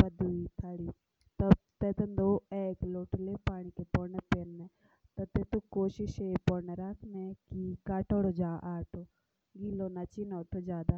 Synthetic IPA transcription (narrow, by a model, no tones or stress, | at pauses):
pɐd̪uit̪ʰaɽi | t̪ɐbt̪et̪ɐnd̪oeːkloːʈlepaːɽ̃ikepɔːɾnepeɾne | t̪ɐt̪et̪ukoːʃɪʃepɔːɾneɾakʰnekikaːʈoɽod͡ʒaːʔaːʈʰo | ɡiːlonat͡ʃinɔːʈʰod͡ʒaːd̪a